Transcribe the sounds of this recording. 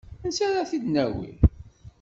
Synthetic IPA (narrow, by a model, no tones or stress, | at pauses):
ənsæɾæθid̪næwḭl